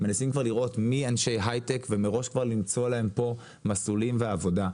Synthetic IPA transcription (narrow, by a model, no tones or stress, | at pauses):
me̞nasimkvaʁliʁʔo̞tmianʃe̞jɦajtekve̞meʁo̞ʃkvaʁlimt͡so̞lahempo̞ | masulimveavo̞da